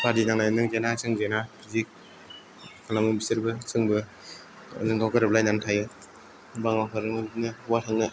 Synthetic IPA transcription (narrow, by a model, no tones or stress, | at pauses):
pʰadinaŋnajnɯŋzenasʰɯŋzenapʰizik̚ | kʰalamɯbisɯɾbɯsʰɯŋbɯ̰ | zɯŋkʰawkaɾɯb̚lajnamtʰajɯ | baŋwakʰɯɾɯŋmɯbinɯwatʰaŋnɯ